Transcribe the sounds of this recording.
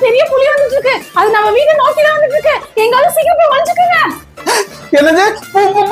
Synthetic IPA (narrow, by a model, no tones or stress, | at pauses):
pɛɾɪjɐpʊlɪjʋɐnd̪ɯʈːɯɾɯkːɯɐðɯnɐmːɐʋiːɾɯnaːkːiðaːʋɐnd̪ɯʈːɯɾɯkːɯɛŋɡɐlːɐ̃sikːɾɐp̬ːoːjʋɐɭɐɲd͡ʒɯkːɯːŋɡɐ | ɛnːɐɡe